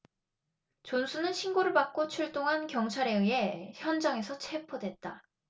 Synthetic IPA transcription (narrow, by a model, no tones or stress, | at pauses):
t͡ɕonsʰunɯnɕʰinɡoɾɯɭpak̚k͈ot͡ɕʰuɭt͈oŋɦankjʌŋt͡ɕʰaɾe̞ɯe̞çjʌnd͡ʑaŋe̞sʰʌt͡ɕʰe̞pʰodwe̞t̚t͈a